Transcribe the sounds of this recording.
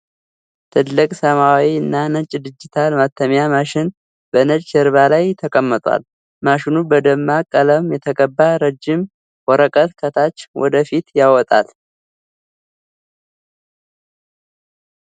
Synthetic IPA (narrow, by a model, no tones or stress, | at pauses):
t̪ʰɨd̪lɨkʼsəmawiɨnːanət͡ʃʼːd̪ɨd͡ʒːɪt̪ʰalmat̪ʰːəmjamaʃɪn | bənət͡ʃʼːəɾβalajt̪ʰːəkʼəmːət̪ʼwa̰l | maʃɪnubəd̪əmːakʼələmjɛt̪ʰəkʼəbːaɾəd͡ʒːɪm | wɔɾəkʼət̪kʰət̪ʰat͡ʃːwɔ̰d̪əfit̪jawɔt̪ʼa̰l